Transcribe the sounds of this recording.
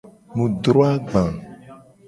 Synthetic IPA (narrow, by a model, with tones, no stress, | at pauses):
nũ˨ɖɾo˦a˦ɡ͡bã˨